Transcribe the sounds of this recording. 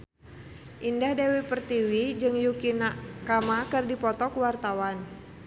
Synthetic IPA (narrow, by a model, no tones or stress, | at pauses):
ʔindahdewipərt̪iwid͡ʒɨŋjukinaʔkamakɨrdipɔt̪ɔkuwart̪awan